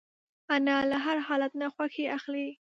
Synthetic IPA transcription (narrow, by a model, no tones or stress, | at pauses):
analaɦaɾhɑlat̪naxwaxeaxli